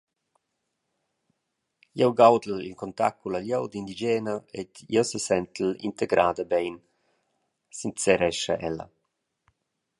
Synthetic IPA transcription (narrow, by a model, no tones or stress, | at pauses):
jɛwɡawd̪əlḭlkɔnt̪a̰kkːulaljɔwd̪ind̪id͡ʒɛːnaed̪jɔsəsɛnt̪əlḭnt̪eɡɾʔaːd̪əbɛjn | sint̪sɛɾɛʃaʔɛlːa̰